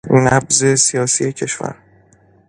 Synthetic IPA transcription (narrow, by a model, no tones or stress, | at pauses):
næbze̞sijɒːsije̞cʰe̞ʃvæ̰ɾ